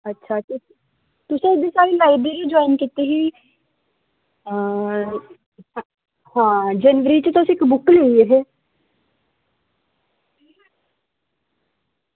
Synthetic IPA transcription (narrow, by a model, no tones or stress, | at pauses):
ətːʃʰaːt̪ɪ | t̪ʊsẽɪd̪esaːɾelaːibeɾid͡ʒɔːinkit̪eɦiː | ə | hãːd͡ʒənʋəɾit͡ʃət̪osĩɪkbʊkleieɦeː